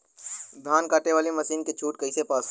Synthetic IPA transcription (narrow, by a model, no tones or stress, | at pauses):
d̪ʱaːnkaːʈeʋaːlimɐsiːnket͡ʃʰuːʈ̚kɐisepaːs